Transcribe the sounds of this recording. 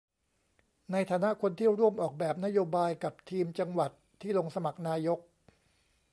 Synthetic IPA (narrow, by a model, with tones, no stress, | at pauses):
na˧jt̪ʰaː˧na˦˥kʰo˧nt̪ʰi˥˩əwɾu˥˩əmʔɔː˨˩k̚bɛː˨˩p̚na˦˥joː˧baː˧jka˨˩p̚t̪ʰiː˧mt͡ɕa˧ŋwa˨˩t̪ʰːiː˥˩lo˧ŋsa˧ma˨˩k̚naː˧jo˦˥k̚